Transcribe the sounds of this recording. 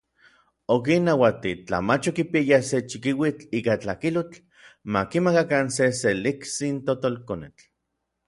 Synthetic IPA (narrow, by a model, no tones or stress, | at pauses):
ok̬inːawat̪it͡ɬa̰mat͡ʃokipiajaset͡ʃikiwit͡ɬiːkat͡ɬakilot͡ɬ | makimakakanseseliksint̪ot̪olkonet͡ɬ